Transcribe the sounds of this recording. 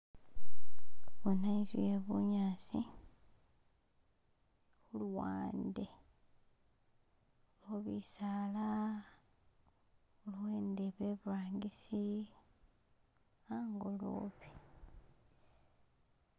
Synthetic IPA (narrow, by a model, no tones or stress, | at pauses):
βonaizweβṵɲaːsi | xulwa̰ːnde | loβisaːla | ulwe̞ːndeβeβaːŋɡisi | aŋɡolo̰ːβi̥